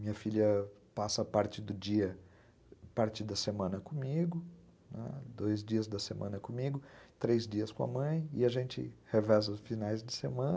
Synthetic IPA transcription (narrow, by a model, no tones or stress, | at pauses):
mĩɲɐfilʲjɐ | pasɐpaɾt͡ʃɪd̪ʊd͡ʒiɐ | paɾt͡ʃɪd̪ɐsemɐ̃nɐkõmiɡʊ | nɛ̰d̪ojzd͡ʒiɐzd̪ɐsemʔɐ̃nɐkõmiɡʊt̪ɾejzd͡ʒiɐskõɐ̰mɐ̃j̃ɪaʒẽnt͡ʃɪ̰hevɛzɐʊsfinajzd͡ʒɪsemɐ̃n